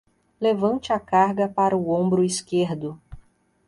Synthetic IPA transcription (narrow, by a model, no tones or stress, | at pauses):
levɐ̃nt͡ʃɪakaɾɡɐpaɾɐuõmbɾʊiskeɾd̪ʊ